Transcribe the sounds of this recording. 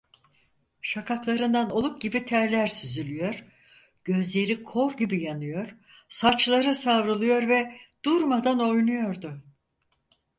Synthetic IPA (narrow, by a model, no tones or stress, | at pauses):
ʃakʰaklˠaɾɯnd̪ano̞lˠuk̚ɟ̥ibit̪ʰæɾlʲæɾsyzylʲyjo̞ɾ | ɟ̥ø̞zlʲe̞ɾikʰo̞ɾɟibijanɯjo̞ɾ | sat͡ʃlˠaɾɯsavɾɯlˠɯjo̞ɾvɛd̪̥uɾmad̪ano̞jnujo̞ɾd̪ʊ